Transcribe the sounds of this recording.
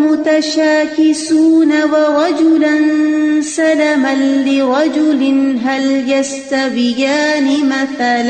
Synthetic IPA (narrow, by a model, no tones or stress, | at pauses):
mʊt̪ɐʃaːkɪsuːnɐwɐɾɑd͡ʒʊlɐnsɐlɐmɐnːɪɾɑd͡ʒʊlɪnɦɐljɐst̪ɐbɪjaːnɪmɐθal